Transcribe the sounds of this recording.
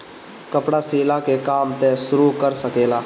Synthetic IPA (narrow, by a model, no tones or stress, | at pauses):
kəpɽaseːlakekaːmt̪ẽsʊɾukəɾsəkeːlaː